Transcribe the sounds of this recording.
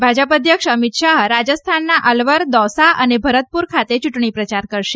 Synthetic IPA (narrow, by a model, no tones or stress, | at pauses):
bʱad͡ʒəpəd̪ʱjəkʂəmit̪ʃaɦɾad͡ʒəst̪ʰanːaʔəlʋəɾd̪ɔsaənebʱəɾət̪̚puɾkʰat̪et͡ʃuʈɳ̃ipɾət͡ʃaɾkəɾʃe